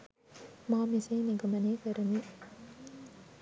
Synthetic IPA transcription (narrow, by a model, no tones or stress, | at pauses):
maːmɪsɐːnɪɡɐmɐneːkɐɾɐni